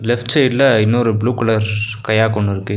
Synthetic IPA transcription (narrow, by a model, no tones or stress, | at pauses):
lɛfʈt͡ʃɐɪlːɐɪnːɔɾɯbɭuːkɐɭɐɾkɐjaːkɔɳːɯɾɯkːɯ